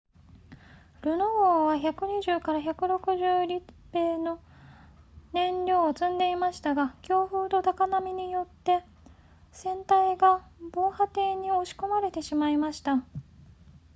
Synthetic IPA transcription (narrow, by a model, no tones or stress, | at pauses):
ɾɯ̟nooːβaçakɯ̟ɲ̟iʑɨːkaɾaçakɯ̟ɾo̞kɯ̟ʑɨːɾʲipːe̞ːno̞ | nẽ̞nɾʲo̞ːt͡sɨ̃nd̪e̞imaɕi̥t̪aɡakʲo̞ːɸɯ̟ːt̪o̞t̪akanamʲiɲ̟ijo̞t̪ːe̞ | sẽ̞nt̪aiɡabo̞ːhat̪e̞ːɲ̟io̞ɕi̥ko̞maɾe̞t̪e̞ɕimaimaɕi̥t̪a